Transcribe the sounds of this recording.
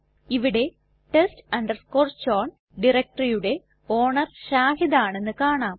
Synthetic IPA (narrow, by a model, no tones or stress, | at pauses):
iʋiɽe̞ | ʈestɐɳɖɐrskoːrt͡ɕːoːɳ | ɖirek̚ʈɐrijuɽe̞ | o̞ːɳɐrɕaːhiðɐaːɳe̞nːɨkaːɳaːm